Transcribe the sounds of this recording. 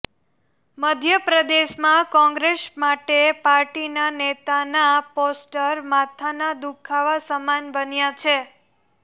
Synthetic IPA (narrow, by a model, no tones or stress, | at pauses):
məd̪ʱjəpɾəd̪eʃmãkɔ̃ŋɡɾeʃmaʈepaɾʈinanet̪anaposʈəɾmat̪ʰanad̪ukʰaʋasəmanbənjat͡ʃʰe